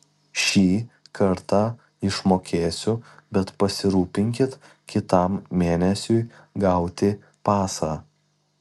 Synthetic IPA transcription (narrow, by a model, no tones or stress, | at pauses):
ʃʲiːkʰɐɾt̪ɑ | ɪʃmoːkʲeːsʲʊbʲɛt̪pɐsʲɪɾuːpʲɪŋʲkʲɪt̪ | kʲɪt̪ɐˑmmʲeːnʲɛsʲʊɪ | ɡɐʊt̪ʲɪ | pɑːsɑː